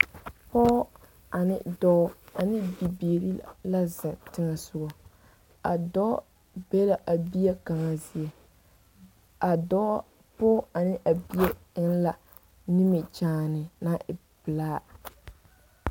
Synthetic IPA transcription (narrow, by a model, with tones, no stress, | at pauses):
pɔː˦ | a˨nɪ̰˦dɔ˦a˨nɪ˦bi˨beː˨ɾi˦la˦zɪ˨tɪ˦ŋɛ˨sʊ˦ɡɔ˨ | a˨dɔ˦ | be˦la˨ʔa˨bi˦ɛ˦ka˨ŋa˨zi˦ɛ˨ | a˨dɔ˦ | pɔː˦a˨nɪ˦ʔa˨bi˦jɛ˦ɪ˦ŋ˦la˨ | ni˦mɪ˨t͡ʃaː˦nɪ˨na˦ʔɪ˨ | bɪ˨laː˦